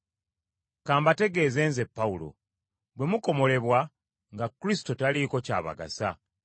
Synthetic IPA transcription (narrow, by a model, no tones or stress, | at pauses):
kaːmbate̞ɡe̞ːze̞ːnze̞pːaulo̞̰ | bwe̞muko̞mo̞le̞βwa | ŋɡakːuɾisi̥to̞taliːko̞ca̰ːβa̰ɡa̰sa̰